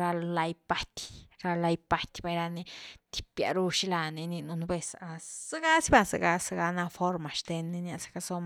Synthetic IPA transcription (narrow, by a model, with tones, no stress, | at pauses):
ɾa˧lla˧jpa˦t̪ʲɾa˧la˧jpa˦t̪ʲba˧jɾa˧ni˧t̪i̥˨pja̰˨ɾu˧ʃi˦la˧ni˧ni˧nu˧nbe˧sa˧z̥a˦ɡa˦si˦ba˧˨sa̰˧ɡa˧sa˨ɡa˧na˧fo˦ɾma˨ʃt̪e˧nːi˧nja˧sḁ˧ka˧so˦m˧